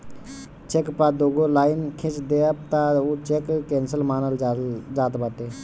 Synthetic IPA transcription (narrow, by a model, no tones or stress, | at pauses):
t͡ʃekpad̪oːɡolaːɪnkʰẽt͡ʃd̪eəpt̪aot͡ʃekkɛːnsəlmaːnəld͡ʒaːt̪baːʈeː